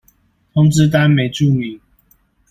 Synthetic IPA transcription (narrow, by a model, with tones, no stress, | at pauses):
t̪ʰʊ˥ŋt͡s̩˦t̪̬a˦nme˨˦ɪʈ͡ʂu˥˨mi˨˦